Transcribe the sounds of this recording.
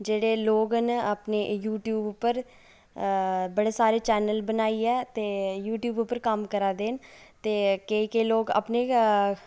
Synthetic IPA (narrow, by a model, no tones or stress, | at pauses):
d͡ʒeːɽeːloːɡənəpneːjuːʈjuːbpːəɾ | bəɽeːsaːɾeːt͡ʃɛːnəlbənaːiːɛːt̪eːjuːʈjuːbʊpːəɾkəmkəɾaːd̪eːnt̪eːkeːkeloːɡa̰pneː